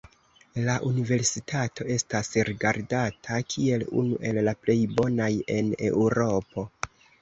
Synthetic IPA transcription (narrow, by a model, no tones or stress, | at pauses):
laʔunive̞ɾsitʰato̞e̞stasɾiɡaɾdatʰakʰie̞lṵnṵʔe̞lːaple̞jbo̞naje̞ne̞̰uɾo̞po̞